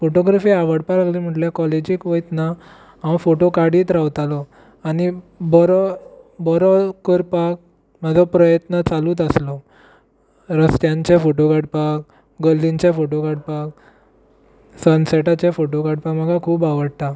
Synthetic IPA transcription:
foʈoɡɾafiːaʋəɽpalaɡliːm̤əʈljakɔled͡ʑiːkʋəjt̪na | ɦãwfoʈokaɽiːt̪ɾaʋt̪alɔ | anibɔɾɔbɔɾɔkəɾpak̚ | m̤əd͡zʱɔpɾəjət̪nət͡saluːt̪əslɔ | ɾəst̪jãɲt͡ɕefoʈokaɽpak̚ | ɡəlːiɲt͡ɕefoʈokaɽpak | sənsɛʈat͡ɕefoʈokaɽpakm̤əɡʱakʰuːbaʋəɽt̪a

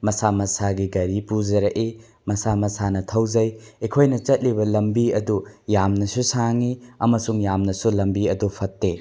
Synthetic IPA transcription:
mɐsamɐsaɡiɡɐɾipud͡ʒɐɾɐʔe | mɐsamɐsanɐtʰɐwd͡ʒɐjekʰojnɐt͡ʃɐt̚libɐlɐmbiɐdujamnɐsusaŋiɐmɐsuŋjamnɐsulɐmbiɐdupʰɐtːe

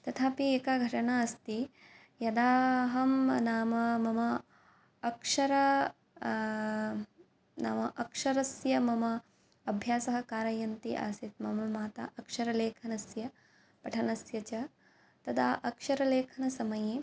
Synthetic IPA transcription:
t̪ɐt̪ʰaːpieːkaːɡʱɐʈɐɳaɐst̪i | jɐd̪aːɦɐmnaːmɐmɐmɐː | kʂɐɾɐ | naːmɐʔɐkʂɐɾɐsjɐmɐmɐ | ɐbʱjaːsɐɦɐ̆kaːɾɐjɐnt̪ḭʔa̰ːsit̪mɐmɐmaːt̪a̰ʔɐkʂɐɾɐleːkʰɐnɐsjɐ | pɐʈʰɐnɐsjɐt͡ʃɐ | t̪ɐd̪ʰaːʔɐkʂɐɾɐleːkʰɐnɐsɐmɐji

